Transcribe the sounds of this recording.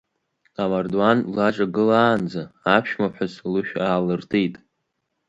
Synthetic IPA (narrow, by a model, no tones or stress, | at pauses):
amardwanlaʈ͡ʂʼaɡɨlaːnd͡zaapʰʃmaħʷᶣazlɨʃᶣaːlɨrtʰejtʼ